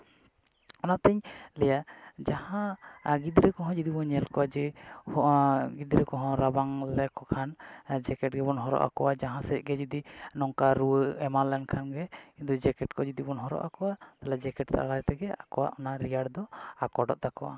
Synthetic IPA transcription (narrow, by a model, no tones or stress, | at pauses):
ɔnat̪ɛɲlɛjad͡ʒahãɡid̪ɾɛkɔɦɔ̃d͡ʒid̪ibɔɲɛlkɔwad͡ʒɛhɡid̪ɾɛkɔɦɔ̃ɾabaŋlɛkɔkʰand͡ʒɛkɛʈ̚ɡɛbɔnɦɔɾɔ̰ʔa̰kɔwad͡ʒaɦãsɛc̚ɡɛd͡ʒɔd̪inɔŋkaɾuəɛmalɛnkʰanɡɛid̪ɔd͡ʒɛkɛʈ̚kɔd͡ʒud̪ibɔnɦɔɾɔ̰ʔakɔwat̪alɛd͡ʒɛkɛʈsa̰ʔaɽajt̪ɛɡɛakɔwa̰ʔɔnaɾijaɽd̪ɔakɔɖɔ̰ʔt̪akɔwa̰